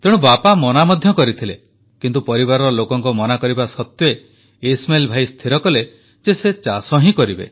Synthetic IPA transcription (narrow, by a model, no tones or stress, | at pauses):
t̪eɽũbapamɔnamɔd̪ʱjɔkɔɾit̪ʰile | kint̪upɔɾibaɾɔɾɔlokɔŋkɔmɔnakɔɾibasɔt̪jɔe | esmelbʱajst̪ʰiɾɔkɔle | d͡ʒeset͡ʃasɔɦĩkɔɾibḛ